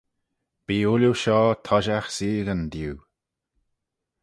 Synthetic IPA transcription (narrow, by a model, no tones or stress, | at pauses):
b̥iːuljuʃɔːt̪ʰɔʒaxsiːɡənd̪uː